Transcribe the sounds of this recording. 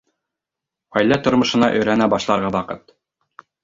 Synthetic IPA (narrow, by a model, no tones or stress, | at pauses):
ʁæjlːæt̪ŏɾmɤ̆ʃɤ̆nɑ̰ʔɵ̆jɾænæbɑʃlˠɑɾʁɑwɑqɤt̪